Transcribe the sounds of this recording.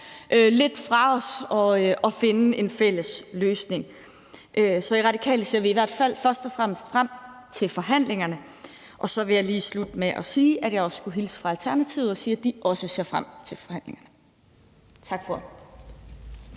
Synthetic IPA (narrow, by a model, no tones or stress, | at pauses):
ʔøle̝d̥fʁɑ̈ɒ̽sɒ̽øʔɒ̽fe̝nəe̝nfel̰əsløːsne̝ŋ | ʔøsɒ̽iʁɑ̈ɾ̥ikʰɛ̰ːləse̝ɐ̰ʋiiʋæɐ̰d̥fæl̰fɶɐsd̥ɒ̽fʁam̰əsd̥fʁam̰t͡sʰe̝lfɒ̽ɦæn̰le̝ŋɐnə | ʔɒ̽sɒ̽ʋe̝jɑ̈ɪliːslud̥meʔɒsiːʔæd̥jɑ̈ɪɒ̽sɡ̥uɦilsfʁɑ̈ælt͡sʰæɐnæt͡sʰiʊð̩ˠɒ̽siːæd̥iʔɒ̽səse̝ɐfʁam̰t͡sʰe̝lfɒ̽hæn̰le̝ŋɐnə | t͡sʰɑ̈ɡ̥fɒ